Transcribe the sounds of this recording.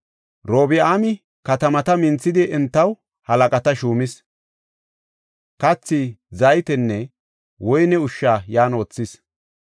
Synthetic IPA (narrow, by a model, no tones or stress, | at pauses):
ɾoːbɪaːmɪ | kɐt̪ɐmɐt̪ɐmɪnt͡sːɪd̪ɪʔɛnt̪ːɐw | hɐlɐkʼɐt̪ɐʃuːmɪs | kɐt͡sːɪzɐjt̪ɛnːɛ | wɔjnɛʊʃːaːjaːnoːt͡sːɪs